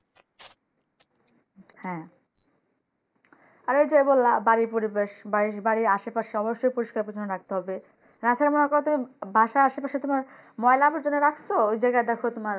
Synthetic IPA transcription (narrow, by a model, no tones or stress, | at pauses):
hɛ̃ | aɾejd͡ʑoebolːabaɾipoɾibeʃbaɾibaɾiaʃepaʃeɔboʃːojpoɾiʃkaɾpɾot͡ɕʰonːoɾak̚t̪eɦɔbe | ɾat͡ɕʰaɾemonekɔɾet̪umibʱaʃaaʃepaʃet̪omaɾ | mɔelaaboɾd͡ʑonːeɾakʰt͡ɕʰoojd͡ʑajɡad̪ɛkʰot̪omaɾ